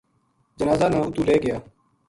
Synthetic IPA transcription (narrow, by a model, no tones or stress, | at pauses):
d͡ʒənaːzaːnãːʊt̪uːleːɡɪjaː